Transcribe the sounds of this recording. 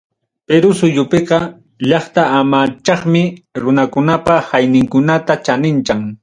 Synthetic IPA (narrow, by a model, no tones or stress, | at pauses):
peɾʊsʊʎʊpeqɑ | ʎɑχt̪aːmaːt͡ʃɑχmɪɾʊnakʊnapahajnɪŋkʊnat̪at͡ʃanɪnt͡ʃaŋ